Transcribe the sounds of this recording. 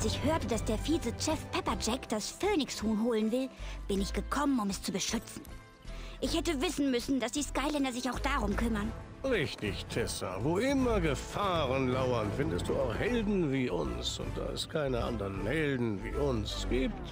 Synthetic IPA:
sɪçhøːɐtəd̥asd̥eːɐfiːt͡sət͡ʃɛfpʰɛpɐd͡ʒɛkd̥asføːnɪçshoːnɦoːlənvɪlb̥ɪnɪçɡ̥əkʰɔmənʊmɛst͡subəʃʏt͡sn̩ | ʔɪçhɛtəvɪsn̩mʏsn̩dasd̥iːskaɪlɛndɐzɪçaʊxd̥aʁʊmkʰʏmɐn | ʁɪçtɪçtʰɛsa̰voʔɪmɐɡəfaːʁənlaʊɐnfɪndəstd̥ṵːaʊxhɛldn̩viːʔʊ̰nsʊ̰nt̚d̥a̰ːɛ̰skʰaɪnəʔa̰ndəʁənhɛldn̩vḭːʔʊnsɡ̥iːpt

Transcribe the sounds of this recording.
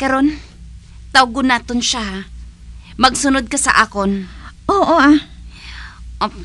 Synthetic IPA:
kɐɾon | t̪awɡʊnaːt̪onʃa | mɐɡsʊnod̪̚kɐsɐ̰ʔaːkonʔoːʔoʔa | ʔo

